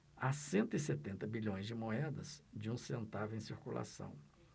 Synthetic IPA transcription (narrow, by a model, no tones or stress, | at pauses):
asẽnt̪ʊɪset̪ẽnt̪ɐbiʎõj̃zd͡ʒɪmoɛd̪ɐsd͡ʒɪũsẽnt̪avʊẽj̃siɾkula̰sɐ̰̃w̃